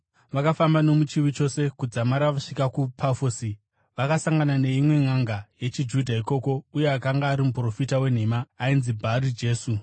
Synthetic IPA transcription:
ʋakafambano̞mut͡ʃiwit͡ʃo̞se̞kud͡zamaɾaʋaʂikakupʰafoːsi | ʋakasaŋɡanane̞imwe̞ŋaŋɡaje̞t͡ʃid͡ʒudʱaiko̞ko̞uje̞akaŋɡaːɾimupro̞fitawe̞n̤e̞ːmaːinzibʱaːɾid͡ʒe̞ːsu

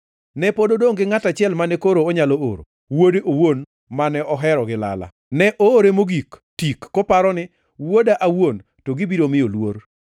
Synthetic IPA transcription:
nɛpododoŋɡɪŋatat͡ʃɪɛlmanɛkoɾoːɲaloo̰ɾo̰ | wodeʔowon | manɛɔɦɛɾɔɡɪla̰la̰ | nɛʔoːɾemoɡiktikːopaɾɔnɪ | wodaʔawon | toɡɪbiɾomɪolwoɾ

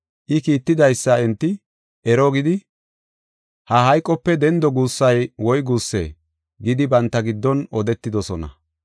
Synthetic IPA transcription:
ʔɪkiːt̪ːɪd̪ɐjsːɐɛnt̪ːɪ | ʔɛɾɔɡɪd̪ɪ | hɐɦɐjkʼːɔpːɛd̪ɛnd̪ɔɡuːsːɐjwɔjɡuːsːḛː | ɡɪd̪ɪbɐnt̪ːɐɡɪd̪ːɔnɔd̪ɛt̪ːɪd̪ɔsɔnɐ̰

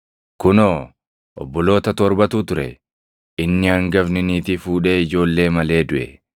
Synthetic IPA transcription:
kʊnoː | ʔɔ̰bːɔlo̞ːt̪ɐt̪ɔɾbɐt̪uːt̪ʊɾɛ̰ | ɪnːɪɐŋɡɐfnɪniːt̪ɪfuːᶑe̞ːɪd͡ʒo̞ːlːe̞ːmɐle̞ːd̪ʊʔɛ̰

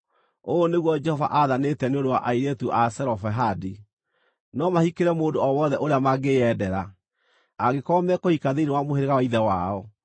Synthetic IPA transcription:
oːneɣwɔd͡ʒɛhɔva̰ʔaðanetɛneondowaʔaiɾetuʔasɛɾɔfɛɦadi | nɔmahikeɾɛmoːndoɔwɔðɛʔoɾeamaɡeɛdɛɾa | aɣekɔmɛkohikaðeinewamoheɾeɣawaiðɛwaɔ

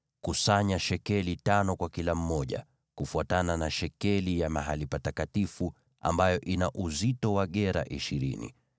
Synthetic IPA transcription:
kusaɲaʃɛkɛlitanɔkwakilam̩mɔʄa̰ | kufuatananaʃɛkɛlijamaɦalipatakatifu | a̰mbajɔʔinaʔuzitɔwaɠɛɾa̰ʔiʃiɾḭnḭ

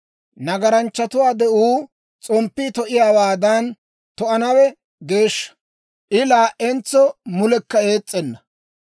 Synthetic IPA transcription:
nɐɡɐɾɐnt͡ʃːɐt̪ʊwaːd̪ɛʔuː | t͡sʼɔmpːiːt̪ɔʔɪjaːwaːd̪ɐn | t̪ɔʔɐnɐwɛ | ɡe̞ːʃːɐ̥ | ʔɪlaːʔɛnt͡sːɔmʊlɛkːɐeːt͡sʼːɛnːɐ

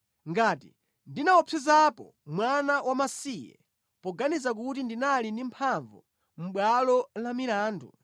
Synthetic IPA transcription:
ŋɡatḭ | ndinaɔpʰɛzapɔ̰ | mwanawʔamasijɛ̰ | pɔɡanizak̬utindinalindimpʰaɱvu | m̩ɓwalɔlamilaːndṵ

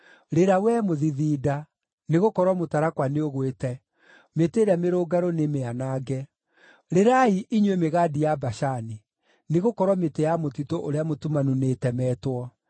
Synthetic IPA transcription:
ɾeɾawɛmoðiðiːda | neɣokɔɾwɔmotaɾakwaneoɣwetɛ | meteɾameɾoːɡaɾonemeanaːɡɛ | ɾeɾaiʔiɲwemeɣadijabaɕani | neɣokɔɾwɔmetejamotitoʔoɾeamotumanunetɛmɛtwɔ

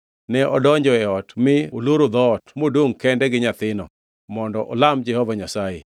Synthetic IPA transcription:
nɛʔɔdɔɲd͡ʒɔɛɔtmɪoloɾod̪ɔtmodwoŋkɛndɛɡɪɲat̪ɪnɔ̰ | mɔndɔʔɔ̰lamd͡ʒɛhɔvaɲasaḛ

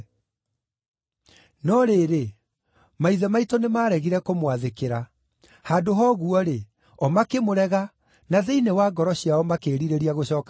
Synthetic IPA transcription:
nɔɾeːɾe | maiðɛmaitɔnemaːɾɛɣiɾɛkomwaðekeɾa | haːdoɦɔɣuɔɾe | ɔmakemoɾɛɣa | naðeinewaːɡɔɾɔɕiaɔmakeːɾiɾeɾiaɣoɕɔːka

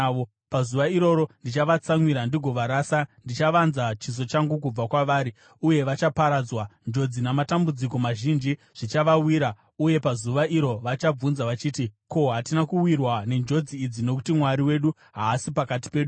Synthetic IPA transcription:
o | pazuʋaiɾo̞ɾo̞ndit͡ʃaʋat͡saŋwiɾandiɡʱo̞ʋaɾaːsandit͡ʃaʋanzat͡ʃis̬o̞t͡ʃaŋɡuk̬ub͡vakwaʋaːɾi | uje̞ʋat͡ʃapaɾad͡zwand͡ʒo̞d͡zinamatambud͡ziko̞maʒind͡ʒi | ʐ̥it͡ʃaʋawiːɾa | uje̞pazuʋaʔiɾo̞ʋat͡ʃab͡vunzaʋat͡ʃiːtiko̞ɦatinakuwirwane̞nd͡ʒo̞d͡ziːd͡zino̞k̬u̥timwaɾiwe̞ɗu | ɦaːsipakat̬i̥pe̞ːɗu

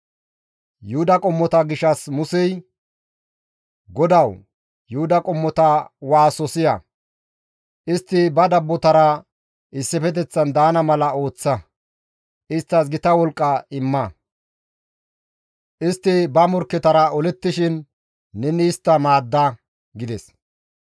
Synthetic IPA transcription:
jʊhʊd̪ɐkʼɔmːɔt̪ɐɡɪʃɐsmʊsɛj | ɡɔd̪ɐw | jʊhʊd̪ɐkʼɔmːɔt̪ɐwaːsɔsɪjɐ | ʔɪst̪ːɪbɐd̪ɐbːɔt̪ɐɾɐ | ʔɪsːɛfɛt̪̬ɛt͡sːɐnd̪aːnɐmɐlɐo̞ːt͡sːɐ | ʔɪst̪ːɐsɡɪt̪ɐwɔlkʼːɐɪmːɐ | ʔɪst̪ːɪbɐmɔɾkːɛt̪ɐɾɐɔlɛt̪ːɪʃɪnː | ɛnɪːst̪ːɐmaːd̪ːɐ | ɡɪd̪ɛs

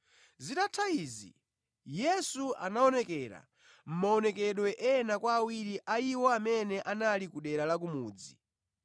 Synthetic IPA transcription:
zitatʰaizḭ | jɛsua̰naɔnɛkɛɾa̰ | m̩maɔnɛk̬ɛɗwɛʔɛːnakwaːwiɾiʔaiwɔamɛnɛʔanalikuɗɛɾalak̬umuːd͡zi

